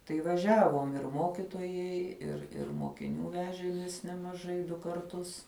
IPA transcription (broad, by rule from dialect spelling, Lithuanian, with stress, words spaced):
tɐɪ ʋɐˈʒʲæːʋoːm ɪr ˈmoːkʲɪtoːjɛɪ ɪr ɪr moːkʲɪˈnʲuː ˈʋʲæːʒʲeːmʲeːs nʲɛmɐˈʒɐɪ ˈdʊ kɐrˈtʊs